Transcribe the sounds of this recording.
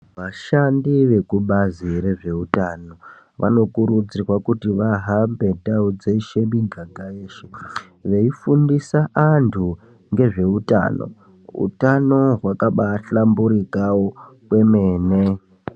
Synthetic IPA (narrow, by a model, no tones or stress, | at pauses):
ʋaʃandiʋe̞kuɓaziɾe̞ʐe̞utaːno̞ | ʋa̰no̞kuɾud͡zirwakutiʋaɦambe̞tdaud͡zeiʃemiɡʱaɡʱaeːʃe | ʋe̞ifundisaʔantʰu | ŋɡe̞ʐe̞uta̰ːno̞̰ | ṵtano̞ɦwakaɓaɬambuɾikawokwe̞meːne